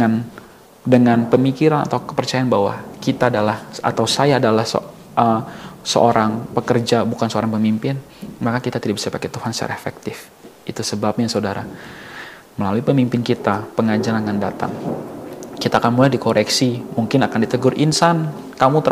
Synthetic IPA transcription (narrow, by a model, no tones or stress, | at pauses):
an | dəŋanpəmikiɾana̰t̪awkə̥pərt͡ʃajanbaɦwa̰kit̪aːdalaha̰t̪awsajaːdalahsə̰ | ʔəsə̰ʔoɾʔaŋpəkərd͡ʒabukansəoɾaŋpəmimpɪn | makakit̪at̪idaʔ̚bisadipaket̪uhansa̰ɾaefɛ̰k̚t̪ɪf | it̪usəbap̚ɲasaudaɾa̰ | məlaluipəmimpɪnkit̪apəŋad͡ʒaɾaŋandat̪a̰ŋ | kit̪aːkanmulajdikoɾʔɛksimuŋkɪnakandit̪əɡʊrʔinsan | kamut̪ə